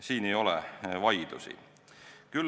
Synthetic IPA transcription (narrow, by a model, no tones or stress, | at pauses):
siːne̞jo̞lɛ̰vɑjd̪̥ṵsḭ | kyl